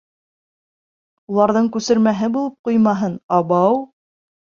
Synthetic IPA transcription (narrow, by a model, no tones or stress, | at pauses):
ulˠɑɾðɤɴkʉsɘ̆ɾmæɦɘbulˠɤp̚qujmɑɦɤnɑβɑw